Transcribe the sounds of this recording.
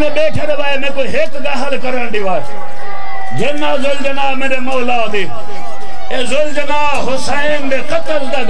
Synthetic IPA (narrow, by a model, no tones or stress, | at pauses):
eɓeːʈʰeɾʋaːemẽːkoɦeːkɡaːɦəlkəɾãːɳɖiʋaː | d͡ʒʱenaːzold͡ʒənaːmẽːɾemoːlaːd̪i | eːzold͡ʒənaːɦosaːinbeːkət̪əlt̪aɡ